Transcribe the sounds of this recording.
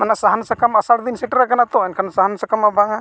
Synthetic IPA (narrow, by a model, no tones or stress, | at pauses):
manasaɦansakamasaɽd̪insɛʈɾakanat̪ɔɛnkʰanasaɦansakamabʱaŋa